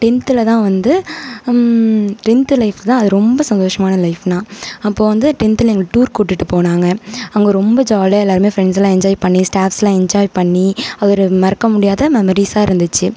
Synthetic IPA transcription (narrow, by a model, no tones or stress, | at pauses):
ʈɪnt̪ɪlɐt̪ãːʋɐnd̪ɯ | ʈɪnt̪lɐɪft̪ãːɐðɯɾɔmbɐsɐnd̪oːʂɐmaːnɐlɐɪfnãːɐpːoːʋɐnd̪ɯʈɪnt̪ɪlɐɛŋɡɐʈuːɾkuːʈːɯʈːɯpoːnaːŋɡɐɐŋɡeːɾɔmbɐd͡ʒaːlɐɛlːaːɾɯmeːfɾɛɳɖslãːɛɲd͡ʒaːjpɐɳːisʈaːfslãːɛɲd͡ʒaːjpɐɳːiɐðɔɾɯmɐɾɐkːɐmʊɽɪjaːðɐmɛmɐɾisaːɪɾɯnd̪ɯt͡ʃːɯ